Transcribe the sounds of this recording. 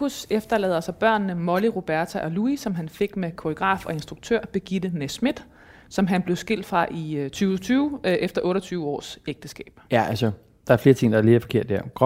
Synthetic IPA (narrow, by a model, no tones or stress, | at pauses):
usefd̥ɐlɛ̰ːðˠɐsɒb̥ɶɐ̰nːəmɒ̽liʁo̝b̥æɐt͡sʰæʔɒ̽luisɒ̽mɦænfe̝ɡ̥mekʰoʁiɡ̥ʁɑ̰̈ːfɒ̽e̝nsd̥ʁuɡ̥̚t͡sʰø̰ɐ̰b̥e̝ɡ̥id̥ənesmid̥ | sɒ̽mɦænb̥le̝ʊsɡ̥e̝l̰d̥fʁɑ̈ʔit͡sʰyːʊt͡sʰyːʊʔefd̥ɐʔɔ̽ːɾɐt͡sʰyːʊəɒ̰ːseɡ̥d̥əsɡ̥ɛ̰ːb̥jæælsə | d̥ɑ̈æɐfle̝ːɐt͡sʰe̝ŋ̰d̥ɑ̈æɐle̝dfɒke̝ɐ̰d̥ːæɐ̰ɡ̥